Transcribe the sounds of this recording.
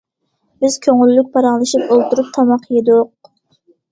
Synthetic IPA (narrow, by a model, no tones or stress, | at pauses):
b̥ɪz̥kʲʰøŋylːyk̚ʲpʰɑɾɑŋlˠɨʃipolˠt̪uɾup̚t̪ʰɑmɑqʰjed̪uq